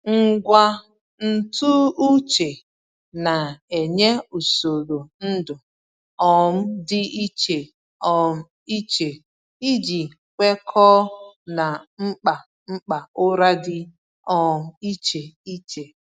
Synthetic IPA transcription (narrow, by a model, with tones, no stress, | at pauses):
ŋ̩˦ɡʷa˦ | n̩˦tu˦u˦t͡ʃe˨ | na˨e˨ɲe˦u˨so˨ɾo˨n̩˦dʊ˨ | ɔ˨m̩˦dɪ˦ʔi˦t͡ʃe˨ | ɔ˨m̩˦ | i˦t͡ʃe˨ | i˦d͡ʒi˨ | kʷe˦kʰɔ˦na˨ŋ͡m̩˦k͡pa˨ | ŋ͡m̩˦k͡pa˨ʊ˦ɾa˦dɪ˦ | ɔ˨˦i˦t͡ʃe˨i˦t͡ʃe˨